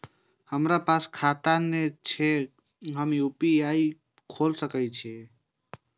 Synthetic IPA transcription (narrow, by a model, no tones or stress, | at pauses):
həmɾapaskʰat̪anet͡ʃʰe | ɦəmiupiai | kʰoːlsəkət͡ʃʰe